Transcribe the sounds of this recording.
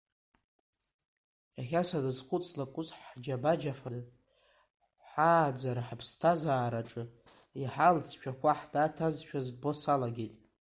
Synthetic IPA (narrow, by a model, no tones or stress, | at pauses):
jaχʲasadɨzχʷʊt͡sʼlakʷʼʊsħd͡ʒabad͡ʒafan | ħaːd͡zarħpʰstʰazaːɾaʈ͡ʂʼɨ | iħalt͡sʰʃᶣakʷʰaħd̥atʰazʃᶣazbo̞salaɡʲejtʼ